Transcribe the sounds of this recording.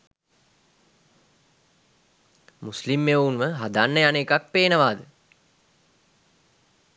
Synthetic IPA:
muslimːeunʋəɦad̪anːəjaneːkak̚peːnəʋaːd̪ə

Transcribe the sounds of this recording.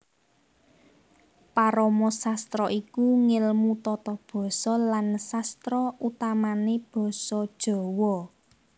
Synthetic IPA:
paɾɔmɔsast̪ɾɔʔikuŋɪlmut̪ɔt̪ɔb̥ɔ̤sɔlansast̪ɾɔʔut̪amaneb̥ɔ̤sɔd̥ʒ̥ɔ̤wɔ

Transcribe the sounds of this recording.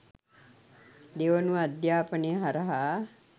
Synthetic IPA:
d̪eːʋənuad̪jaːpəneɦɐɾaɦa

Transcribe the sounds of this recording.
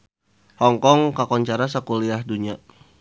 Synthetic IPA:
hɔŋkɔŋkakɔɲt͡ʃaɾasakuliahduɲa

